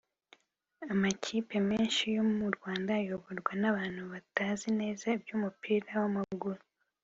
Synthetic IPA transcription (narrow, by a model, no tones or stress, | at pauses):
amacʰiːpe̞meːnʃijo̞muɾɡwaːndajo̞βo̞ɾɡwanaβaːn̥huβataːzine̞ːzabjuːmupiːɾawamaɡuɾu